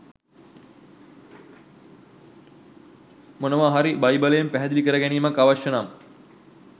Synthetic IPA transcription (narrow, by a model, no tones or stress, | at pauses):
monəʋaɦaɾibajbaləjempæɦɛd̪ilikəɾəɡæniːmakːaʋaʃənam